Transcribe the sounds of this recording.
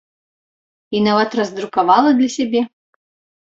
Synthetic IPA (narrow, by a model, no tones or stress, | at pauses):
inavɐt̪rɐzd̪ɾukavalˠɐd̪lʲɐsʲɛbʲɛ